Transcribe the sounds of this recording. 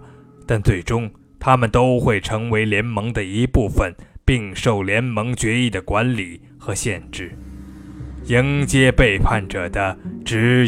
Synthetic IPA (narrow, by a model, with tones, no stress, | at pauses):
t̪a˥˧nt͡swe˥˩ɪʈ͡ʂʊ˥ŋ | t̪ʰa˥mə˨nt̪o˥ʊxwe˥˩ɪʈ͡ʂʰɤ˧˥ŋwe˧˥ɪljɛ˧˥nmɤ˧˥ŋd̪ə˧i˧˥pu˥˩fə˨˩npi˥˧ŋʂo˥˩ʊljɛ˧˥nmɤ˧˥ŋt͡ɕɥɛ˧˥i˥˩d̪ə˩kwa˧˥nli˨˩˦ | xɤ˧˥ɕjɛ˥˧nʈ͡ʂɻ̩˥˩ | i˧˥ŋt͡ɕjɛ˥pe˥˧ɪpʰa˥˩nʈ͡ʂɤ˨˩d̪ə˦ʈ͡ʂɻ̩˧˥